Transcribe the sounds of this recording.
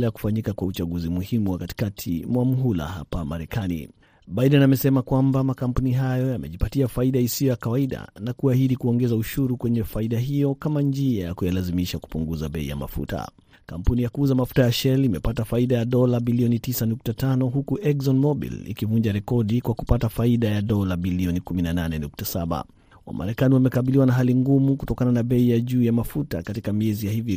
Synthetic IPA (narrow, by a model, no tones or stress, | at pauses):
lɛjaku̥faɲikakwaut͡ʃaɠuzimuhimuwakati̥katʰimwamuɦula̰ha̰pamaɾɛkanḭ | ɓajɗɛnamɛsɛmakwambamakam̩puniɦajɔjamɛʄipatiafaiɗaisiɔjakawaiɗa̰nakuahiɗikuɔŋɡɛzauʃuɾukwɛɲɛfaiɗaɦijɔkamand͡ʒiajakujalazimiʃaku̥puŋɡuzaɓɛḭja̰ma̰fṵta̰ | kampunijakuzamafu̥tajaʃɛlimɛpatafaiɗajaɗɔlaɓiliɔnitisanuk̚tatanɔɦukuʔɛkzɔnmɔɓḭlḭkivuɲd͡ʒaɾɛkɔɗikwaku̥patafaiɗajaɗɔlaɓiliɔnikuminananɛnuk̚tasaɓa̰ | wa̰ma̰ɾɛkaniwamɛkaɓiliwanaɦaliŋɡumukutɔkananaɓɛijaʄuːjamafuta̰katikamiɛzijahivi